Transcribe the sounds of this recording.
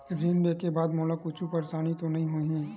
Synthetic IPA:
ɾʱiːnɖekebaːd̪moːləkʊt͡ʃʰupɐɾsaːɽ̃ĩt̪onɐɦĩɦoiɦɛ̃ː

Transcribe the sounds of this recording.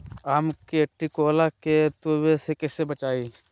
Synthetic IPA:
aːmkiɐʈːikoːlaket̪oːwesekɛːsebɐt͡ʃaːiː

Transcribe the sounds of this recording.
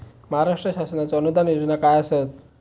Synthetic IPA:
məɦaɾaʂʈɾəɕasənat͡saənud̪anjod͡znakajəset̪̚

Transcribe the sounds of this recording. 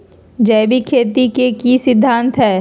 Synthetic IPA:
d͡ʒɛːbʱikʰeːt̪ikekisɪd̪ʱːãːnt̪ɦɛː

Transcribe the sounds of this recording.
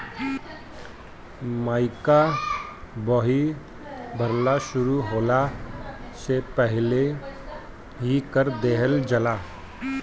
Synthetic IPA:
maːɪka | bɔɦi | bʱəɾlaʃʊɾuɦoːla | sepəɦle | ɦikəɾd̪eːɦəld͡ʒəlaː

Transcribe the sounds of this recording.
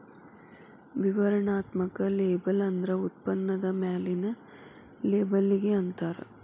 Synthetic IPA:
ʋiʋɐɾɐɳaːt̪mɐkɐleːbɐlɐnd̪ɾɐut̪̚pɐnːɐd̪ɐmaːlinɐ | leːbɐlːiɡeɐnt̪aːɾḛ

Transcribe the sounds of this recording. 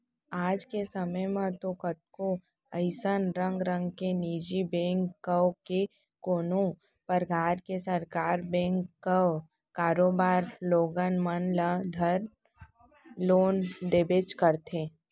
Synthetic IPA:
aːd͡ʒkesəməjmãt̪okət̪̚ko | əɪsənɾə̃ŋɡɾə̃ŋɡkeniːd͡ʒibɛ̃ːŋkːəwke | koːnõ | pəɾɡʱaːɾkesəɾkaːɾbɛ̃ːŋkːəw | kaːɾoːbaːɾloːɡənmənləd̪ʱəɾ | loːnd̪eːbeːt͡ʃkəɾt̪ʰẽː

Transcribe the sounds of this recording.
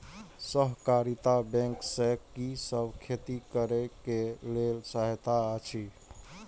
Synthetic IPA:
səɦkaɾit̪abɛ̃ŋksɛkːisəbkʰet̪ikəɾɛkelelsaɦt̪aət͡ʃʰi

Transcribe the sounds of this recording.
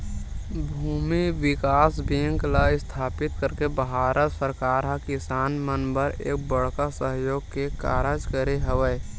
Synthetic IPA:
bʱuːmiwɪkaːsbiə̃ŋklaɪst̪ʰaːpɪt̪kəɾkebɦaːɾət̪səɾkaːɾɦakɪsaːnmənbəɾḛːk̚bəɽkasəɦjoːɡkeka̰ːɾəd͡ʒkəɾeɦəʋəj

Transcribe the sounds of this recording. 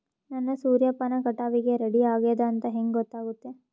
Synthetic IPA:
nɐnːɐsuːɾjɐpːɐnɐkɐʈaːʋiɡeɾɐɽiaːɡeːd̪ɐːnt̪ɐɦeŋɡɡɔt̪ːaːɡut̪ːe̞

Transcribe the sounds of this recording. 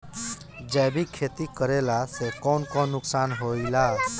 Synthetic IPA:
d͡ʒajbʱikʰet̪ikəɾelasekɔnkɔ̃nuksanɦoila

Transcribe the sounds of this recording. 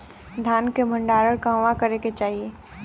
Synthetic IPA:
d̪ʱjaːnkebʱə̃ɳɖaːɾəɽkãʋakəɾeket͡ʃaːɦie

